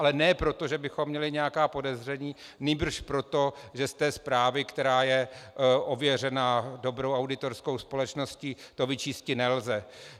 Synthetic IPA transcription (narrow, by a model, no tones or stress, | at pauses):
ʔalɛnɛːpɾo̞t̪o̞ʒɛbɪxomːɲɛlɪɲɛakaːpo̞dɛzr̝ɛɲiːniːbr̩ʃpɾo̞t̪o̞ʒɛst̪ɛːspɾaːvɪkt̪ɛɾaːjɛʔo̞vjɛr̝ɛnaːdo̞bɾo̞wawdɪt̪orskowspo̞lɛt͡ʃno̞scit̪o̞vɪt͡ʃiːscɪnɛlzɛ